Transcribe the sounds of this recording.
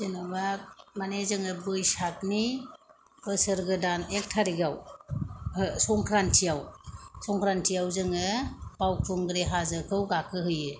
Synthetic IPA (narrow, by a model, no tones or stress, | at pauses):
zenabak̚manezɯŋɯbɯjsak̚ni | bɯsɯɾɡɯdanek̚tʰaɾiɡaw | sɔŋkʰɾantʰijawsɔŋkʰɾantʰijawzɯŋɯbawkʰɔŋɡɯɾeɦazɯkʰɯwɡakʰɯɦɯjɯ